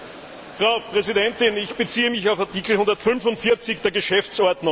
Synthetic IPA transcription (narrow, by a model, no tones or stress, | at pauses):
fʁ̥ɑʊpʁ̥ɛzidɛntɪnɪçb̥ət͡siːəmɪçaʊfaɐtiːkl̩hʊndɐtfʏnfʊntfɪɐt͡sɪçd̥eːɐɡəʃɛft͡sʔɔɐdnʊŋ